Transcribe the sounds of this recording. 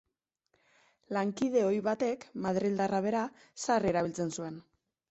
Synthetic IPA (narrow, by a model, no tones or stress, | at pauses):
laŋkið̞e̞o̞jβat̪e̞kmaðɾild̪araβe̞ɾa | sareɾaβilt͡se̞nsue̞n